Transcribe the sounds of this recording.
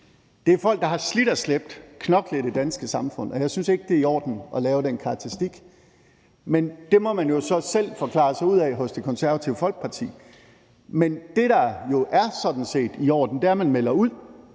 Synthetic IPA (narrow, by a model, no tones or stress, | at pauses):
d̥e̝æɐfɒ̽l̰ɡ̥̚d̥ɑ̈ɦɑ̈slid̥æsleb̥̚d̥kʰnɒ̽ɡ̥led̥id̥ænsɡ̥əsɑ̈mfɔ̽n̰ɒ̽jɑ̈ɪsynse̝ɡ̥əd̥e̝iɒ̰ːd̥n̩ɒ̽lɛːʊɾenkʰɑ̈ɡ̚t͡sʰɐʁisd̥iɡ̥ | mend̥e̝mɒ̽mænjo̝sɒ̽sel̰fɒ̽kʰlɑ̰̈ːsɑ̈ɪuð̰ˠɛːɦɔ̽sd̥e̝kʰɒ̽nsæɐʋæt͡sʰiʊəfɒ̽l̰ɡ̥̚pʰɑ̈t͡sʰḭː | mend̥e̝ɾɑ̈jo̝ʔæɐsɒ̽d̥n̩se̝̰ːd̥iɒ̰ːd̥n̩d̥e̝æɐmænmel̰ɐuð̰ˠ